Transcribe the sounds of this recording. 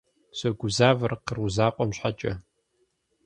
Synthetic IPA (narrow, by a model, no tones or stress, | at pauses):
sɐɡʷʊzaːvɨrqəruzaːqʷʼɔmɕħat͡ʃʼɐ